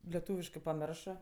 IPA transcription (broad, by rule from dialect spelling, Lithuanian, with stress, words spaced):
lʲɛˈtuːʋʲɪʃkɜ pɐˈmʲɪrʃɜ